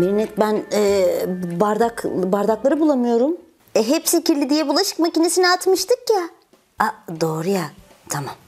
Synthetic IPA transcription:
miɾnɛt̪̚bænɛːbaɾd̪akbaɾd̪aklˠaɾɯbulˠamɯjo̞ɾum | ɛɦepsiciɾlʲid̪ijɛbulˠaʃɯ̥kmacinesiniat̪mɯʃt̪ʰɯkja | ad̪oːɾuja | t̪ʰamam

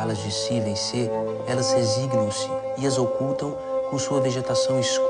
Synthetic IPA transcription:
lɐzd͡ʒɪsivẽj̃se | ɛlɐzheziɡnɐ̃w̃sɪ | ɪɐzokult̪ɐ̃w̃ | kõsuɐveʒet̪asɐ̃w̃isk

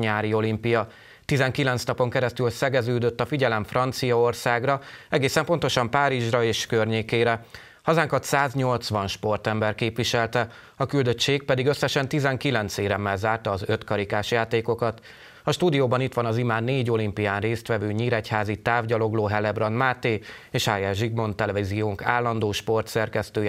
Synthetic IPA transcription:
ɲaːɾio̞limpijɒ | t̪izɛŋkilɛnt̪snɒpo̞ŋkɛɾɛst̪ylsɛɡɛzøːd̪ø̞t̪ːɒfiɟɛlɛɱfrɒnt̪sijɒo̞rsaːɡrɒɛɡeːsɛmpo̞nt̪o̞ʃɒmpaːɾiʒrɒeːʃkørɲeːkeːɾɛ | hɒzaːŋkɒt̪saːzɲo̞lt̪sʋɒnʃpo̞rt̪ɛmbɛrkeːpʋiʃɛlt̪ɛ | ɒkyld̪ø̞t͡ʃt͡ʃeːɡ̚pɛd̪iɡø̞sːɛʃɛnt̪izɛŋkilɛnt̪seːɾɛmːɛlzaːrt̪ɒːzøt̪kɒɾikaːʃjaːt̪eːko̞kɒt̪ | ɒʃt̪uːd̪ijoːbɒnit̪ʋɒnɒzimaːneːɟo̞limpijaːnreːst̪ʋɛvøːɲiːɾɛchaːzit̪aːvɟɒlo̞ɡloːɦɛlɛbrɒnmaːt̪eː | eːʃhajɛʒiɡmo̞nt̪ɛlɛvizijoːŋka̰ːlːɒnd̪oːʃpo̞rt̪sɛrkɛst̪øːj

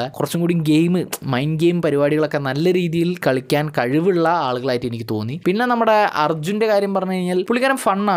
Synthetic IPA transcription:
kurɐt͡ɕːumkuːɽiumɡe̞jmɨmɐjnɡe̞jmpɐɾibaːɽiɣɐɭo̞kːe̞nɐlːɐɾiːðijilkɐɭikʲːaːnkɐɻiʋiɭːɐaːɭuɣɐɭaːjitːenikʲːɨt̪o̞̰ːnːipinːe̞nɐmːuɽe̞ɐ̰rd͡ʑunde̞kaːɾjɐmpɐrɐɲːukɐɻiɲːaːlpuɭiɣɐɾɐmfɐɳːaː

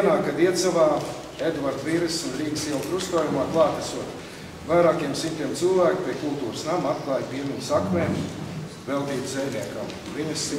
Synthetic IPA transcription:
ɛnaːkad̪iɛt̪savaː | ed̪vaɾd̪viɾɨsunɾiːɡʲi̥siɛlˠk̪ɾust̪uɔjumaːklˠɑːt̪asuɔt̪ | vajɾaːkʲiɛmsimʲt̪ʲiɛmt̪sɨlˠvæːkʲpʲiɛkulˠt̪uːɾsnamat̪̚klˠajpiɛmiɲsakmɛːm | vɛlˠt̪iːd̪zɛjʲnʲiɛkam | viɲis

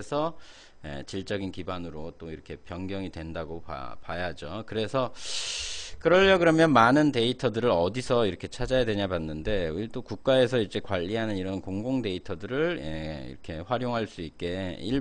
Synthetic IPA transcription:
esʰʌ | ḛt͡ɕiɭt͡ɕ͈ʌɡinkibanɯɾot͈oiɾʌkʰe̞pjʌŋɡjʌŋidwe̞ndaɡopa̰pajad͡ʑokɯɾe̞sʰʌ | kɯɾʌʎːʌɡɯɾʌmjʌnmanɯnte̞itʰʌdɯɾɯɾʌdisʰʌiɾʌkʰe̞t͡ɕʰad͡ʑajadwe̞ɲabanːɯnde̞uit͈okuk̚k͈ae̞s̬ʰʌid͡ʑe̞kwaʎːiɦanɯniɾʌnkoŋɡoŋde̞itʰʌdɯɾɯɭḛḭɾʌkʰe̞ɸwaɾjoŋɦaɭs͈uik̚k͈e̞iɭ

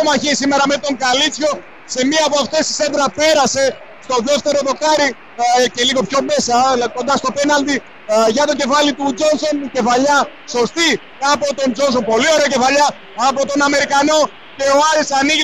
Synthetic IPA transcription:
omɐçisime̞ɾɐme̞t̪o̞ŋɡɐlit͡sço̞ | se̞miɐpoɐft̪e̞si̥send̪ɾɐpe̞ɾɐse̞ | st̪o̞ðe̞ft̪e̞ɾo̞ðo̞kɐɾi | ce̞liɣo̞pço̞me̞sɐko̞nd̪ɐst̪o̞penɐld̪i | ʝɐt̪o̞ce̞fɐlit̪ud͡zo̞nso̞nce̞fɐʎɐ | so̞st̪i | kɐpo̞t̪o̞nd͡ʒo̞nso̞mpo̞lio̞ɾeoce̞fɐʎɐː | po̞t̪o̞nɐme̞ɾikɐno̞ | ce̞oɐɾisɐniʝi

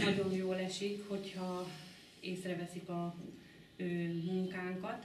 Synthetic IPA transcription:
nɒɟo̞njoːlɛʃikho̞chɒ | eːsrɛvɛsikɒ | øːmuŋkaːŋkɒt̪

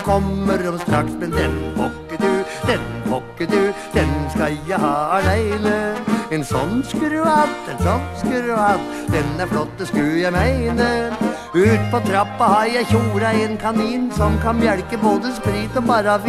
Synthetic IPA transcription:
kʰɔmːəɾɔmst̪ʰɾɑʈsmɛnd̪ɛnpʰɔkːəd̪ʉ | d̪̥ɛnbɔkːəd̪ʉd̪̥ɛnskɑljæhɑːɑlæɪnəɛnsɔnskɾʉɑt̪ːɛnsɔnskʉʉɑt̪ | d̪ɛnːæɾflɔt̪ːəskʉjæɪmæɪnə | ʉːt̪pʰɔt̪ʰɾɑpːɑhɑɾjæɪçuːɾəɛnkʰɑniːnsɔmkʰɑnmjæɽkəboːd̪əspɾiːt̪ɔbɑːɾəɑʋ

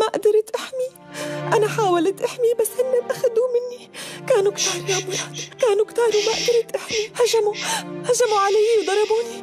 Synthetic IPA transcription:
maʔʔd̪ɑɾˤt̪ʔaħmi | ʔanaħaːwalt̪ʔaħmibasːʔɪnːaʔaxad̪umɪnːikaːnukt̪ɑːɾˤjamʊɾˤɑːd̪kaːnukt̪ɑːɾˤumaʔad̪ɑɾˤɪt̪ʔaħmihaʒamuhaʒamuʕalajwd̪ˤɑɾˤɑbuːni

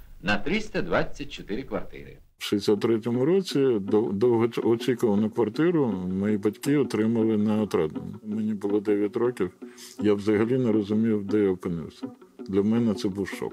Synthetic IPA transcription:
nɐt̪ɾɪsʲt̪ʲɐd̪ʋat͡sʲːɐt̚ʲt͡ʃɔt̪ɪɾɪkʋɐ̰rt̪ɪ̰ɾɪ̰ | wʃɪsʲat̪̚ːɾɛt̬ʲɔmʊɾɔt͡sʲid̪d̪ɔwɦɔɔt͡sʲikʊʋɐnʊkʋɐrt̪ɪɾʊmɔjibɐtʲkɪɔt̪ɾɪmɐlˠɪnɐɔt̪ɾɛd̪nɔ̰mʊmɛnʲibʊlˠɔd̪ɛʋʲjɐtʲɾɔkʲiwjawzɐɦɐlʲinɛɾɔzʊmʲijʊwd̪ɛjaɔpɪnɪ̰wsʲɐd̪lʲɐmɛnɛt̪sɛbuwʃɔ̰k

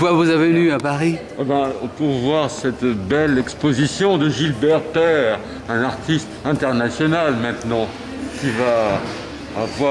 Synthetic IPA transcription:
vwavuzavenyapaʁi | ɛbɛ̃ɔ̰̃puʁvwaʁsɛt̪bɛlɛkspozisjɔ̃d̪əʒilbɛʁt̪ɛʁ | ɛ̃naʁt̪ist̪ɛ̃t̪ɛʁnasjɔnalmɛ̃t̪nɑ̃ | kʲivaː | vwa

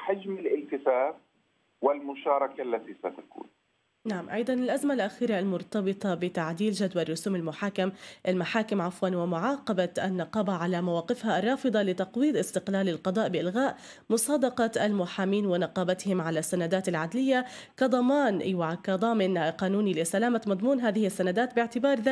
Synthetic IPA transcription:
ħad͡ʒmɪlɪlt̪ɪsaːf | wɪlmʊʃɑːɾˤɑkaʔlːat̪isat̪akṵːn | naʕamʔɑ̰jd̪ˤɑnɪlʔazmalʔaxiːɾalmʊɾt̪ɑbɨt̪ˤɑbɪt̪aʕd̪iːlʒad̪warˤːʊsuːmɪlmʊħaːkɪmʔalmaħaːkɪmʕafwaːnwɪmʊʕɑːqɑbaʔa̰nːɑqɑːbaʕalamawɑːqɪfhaʔrˤːɑːfɨd̪ˤɑlɪt̪ɑqwiːd̪ʔɪst̪ɪqlaːlɪlqɑd̪ˤɑːʔbɪʔɪlɣaːʔ | mʊsˤɑːd̪ɑqɑalmʊħaːmiːnwɪnɑqɑːbat̪hɪmʕalasːanad̪aːt̪ɪlʕad̪lɪjːakɑd̪ˤɑmɑːnwakad̪ˤɑːmɪnqɑːnuːnilɪsalaːmat̪mɑd̪ˤmuːnɦaːðɪhsːanad̪aːt̪bɪʕt̪ɪbɑːɾˤða

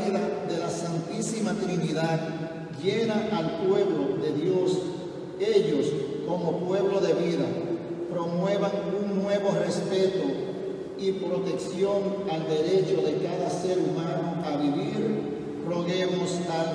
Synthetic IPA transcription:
ðaðe̞lasant̪isimat̪ɾiniðað | ʝe̞naʔalpwe̞βlo̞ðe̞ðjos | e̞ʎosko̞mo̞pwe̞βlo̞ðe̞βiða̰ | pɾo̞mwe̞β̞aŋuŋnwe̞βo̞re̞spe̞t̪o | ipɾo̞t̪e̞ksjo̞ŋald̪e̞ɾe̞t͡ʃo̞ðe̞kaðase̞ɾumãnoaβiβiɾ | rro̞ɣemost̪a

